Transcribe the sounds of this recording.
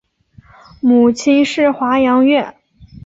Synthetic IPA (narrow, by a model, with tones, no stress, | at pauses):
mu˨˩t͡ɕʰi˥nʂɻ̩˥˩xwa˧˥jɑ˧˥ŋɥɛ˥˩n